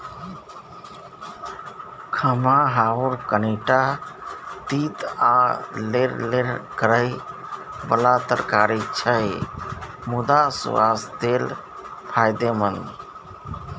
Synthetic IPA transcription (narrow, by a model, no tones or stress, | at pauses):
kʰəmaɦauɾkəneʈa | t̪it̪aleɾleɾkəɾəj | bəlat̪əɾkaɾit͡ʃʰə | mud̪asṵwa̰sd̪el | pʰajd̪emən